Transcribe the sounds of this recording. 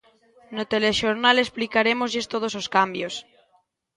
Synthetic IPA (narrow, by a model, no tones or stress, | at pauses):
not̪eleʃoɾnalesplikaɾemozʎest̪oð̞ososkambjos